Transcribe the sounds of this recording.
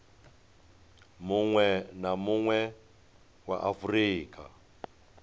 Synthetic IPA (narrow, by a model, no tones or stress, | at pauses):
muŋwɛnamuŋwɛ | wa̰ʔafuriːkʰʼa̰